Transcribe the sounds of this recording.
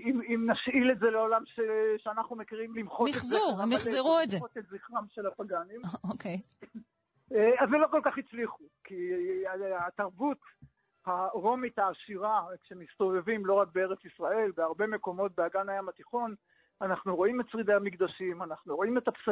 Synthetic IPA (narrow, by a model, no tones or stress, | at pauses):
imimnaʃʔile̞tze̞leolamʃeʃeanaχnumekiʁimlimχotezziuamizeʁuezeot̪etziχʁamʃe̞lapaɡanimokej | avelo̞ko̞lkaχit͡sliχuki | at̪aʁbut̪ | haʁo̞mit̪haːʃiʁakʃemist̪o̞ve̞vimlo̞ʁak̚beeʁet͡sisʁae̞lbeaʁbe̞me̞ko̞mo̞t̚beaɡanajamat̪iχo̞n | anaχnuʁo̞imett͡sʁid̪ehamikd̪aʃimanaχnuʁo̞ime̞t̪aps